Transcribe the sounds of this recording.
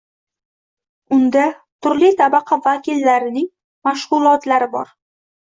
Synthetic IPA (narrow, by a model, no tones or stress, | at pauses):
ʊnd̪a | t̪ʰʊɾlit̪ʰabɑqʰɑvakʲilːaɾɪnɪŋ | maʃʁʊlˠɒt̪laɾɪbɒ̰ɾ